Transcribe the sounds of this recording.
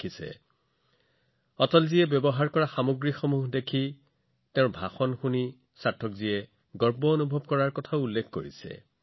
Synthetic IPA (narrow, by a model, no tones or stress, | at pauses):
isɛ̰ | ɔtɔlziɛbjɔbɔɦaɹkɔɹaxamoɡɹixomuɦdekʰi | tɛʊ̃bʱaxɔnxuni | satʰːɔkzijɛ | ɡɔɹbɔonubʱɔb̚kɔɹaɹkɔtʰaʊulːekʰkoɹisɛ̰